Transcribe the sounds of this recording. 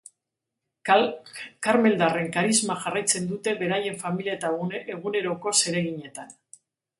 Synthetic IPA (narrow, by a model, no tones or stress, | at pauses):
kaɾme̞ld̪are̞ŋkaɾizmaxarajt͡se̞nd̪ut̪e̞βe̞ɾaje̞ɱfamiliat̪aeɣune̞ɾo̞ko̞se̞ɾe̞ɣiɲe̞t̪an